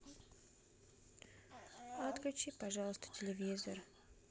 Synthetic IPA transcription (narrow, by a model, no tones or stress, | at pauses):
ɐt̪klʲut͡ɕipɐʐɑlˠəst̪ə̥tʲɪlʲɪvʲizər